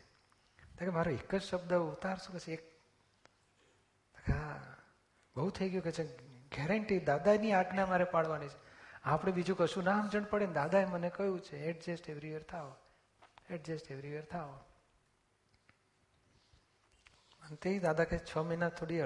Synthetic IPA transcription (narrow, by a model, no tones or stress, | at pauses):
t̪ekemaɾoekːəd͡ʒʃəbd̪əut̪aɾsũket͡ʃʰeek̚ | əkʰa | bəɦut̪ʰəjɡjũket͡ʃʰeɡɛɾəɳʈid̪ad̪aeniaɡnemaɾepaɽʋanit͡ʃʰe̥apɽ̃ebid͡ʒũkəʃũnãmd͡ʒəɳ̃pəɽend̪ad̪aemənekəjũt͡ʃʰeeʈ̚d͡ʒesʈeʋɾiʋeɾt̪ʰaɦo | eʈd͡ʒesʈeʋɾiʋeɾt̪ʰaɦo | ənt̪eid̪ad̪aket͡ʃʰəməjnat̪ʰoɽi